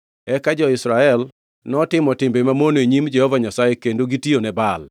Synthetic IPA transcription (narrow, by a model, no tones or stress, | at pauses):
ɛkad͡ʒɔɪsɾaɛl | nɔtɪmɔtɪmbemamonoeɲimd͡ʒɛhɔvaɲasajekendoɡitionɛbal